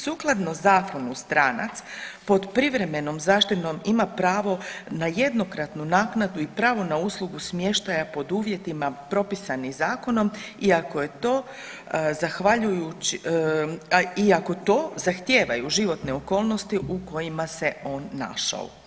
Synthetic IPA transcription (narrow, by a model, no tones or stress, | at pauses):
suːklˠad̪nozaːko̞nust̪ɾaːna̰t̪spo̞d̪pɾiʋɾe̞me̞no̞mzaːʃt̪it̪no̞mimapɾaːʋo̞naje̞d̪no̞kɾat̪nunaːknad̪uipɾaːʋo̞nauːslˠuɡusmje̞ʃt̪ajapo̞d̪uːʋje̞t̪imapɾo̞pisanizaːko̞no̞miako̞je̞t̪o̞ː | zaxʋaʎujut͡ɕ | iako̞t̪o̞ːzaxt̪je̞ːʋajuʒiʋo̞t̪neo̞ko̞ːlˠno̞st̪iuko̞jimase̞o̞ːnːa̰ʃa̰o̰